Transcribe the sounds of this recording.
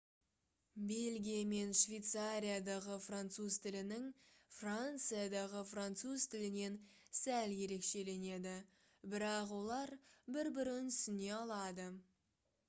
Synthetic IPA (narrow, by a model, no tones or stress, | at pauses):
be̞lɡʲijame̞nʃvʲejt̪saɾʲijad̪ɑʁəfrant̪suzt̪ʰɪlɪnɪŋfrant̪sɨjad̪ɑʁəfrant̪suzt̪ʰɪlɪne̞nsælje̞ɾe̞kʃe̞le̞ne̞d̪ɪ | bɪɾɑqwo̞lˠɑɾbɪɾbɪɾɪnʏsɪne̞ɑlˠɑd̪ə